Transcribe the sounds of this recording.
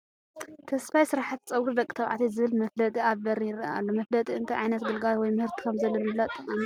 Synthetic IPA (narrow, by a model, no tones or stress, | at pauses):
t̪ʰɐsfajsɨɾaħat̪t͡sʼɐwɾud̪ɐkʼit̪ʰɐβʕa̰t̪ʰizɨβɨlmɐflɐt̪ʼiaβbɐɾijɪɾɐʔa̰lːomɐflɐt̪ʼiɨnt̪ʰɐjʕajnɐt̪ɡɨlɡalwɔjmɨhɨɾt̪ʰi̥kʰɐmzɐlːomɨblat̪ʼːɐkʼami